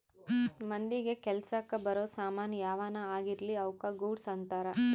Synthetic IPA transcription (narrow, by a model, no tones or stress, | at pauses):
mɐnd̪iɡekɛlsɐkːɐbɐɾoːsaːmaːnɐjaːʋaːnɐaːɡiɾliɐwkɐɡuːɖsɐnt̪aːɾɐ